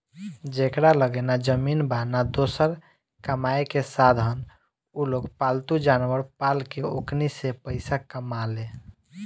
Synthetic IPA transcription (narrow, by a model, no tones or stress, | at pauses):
d͡ʒekɾaləɡɛnad͡ʒəminbanad̪osəɾ | kəmaekesad̪ʱɦən | uloɡpalt̪ud͡ʒanwəɾpalkeo̰knisepəɪsakəmale